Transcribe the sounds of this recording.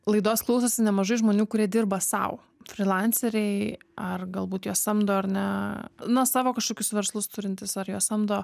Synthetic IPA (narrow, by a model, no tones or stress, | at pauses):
lˠɐɪd̪oːsklˠɐʊsoːsʲɪnʲɛmɐʒɐɪʒmoːnʲuːkʊɾʲiɛd̪ʲɪrbɐsɐ̰ʊ | fʲɾʲɪlˠɑnʲsʲɛɾʲɛɪɐrɡɐlˠbuːt̪joːsɐmd̪oːɐɾnʲɛnɐsɑːʋoːkɐʃkoːkʲʊsʋʲɛɾslˠʊst̪ʊɾʲɪnʲt̪ʲɪsɐɾjoːsɐmd̪oː